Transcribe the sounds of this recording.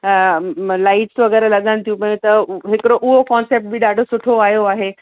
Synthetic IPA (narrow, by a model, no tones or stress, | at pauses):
laːɪʈsʋɐɡəɾlɐɠəñt̪ʰijũpɐ̃ɦjũt̪ɐɦɪkɪɾoʔʊɦokɔ̃ːnseːp̚ʈ̚biɗaːɖʱosʊʈʰoaːɦjoaːɦe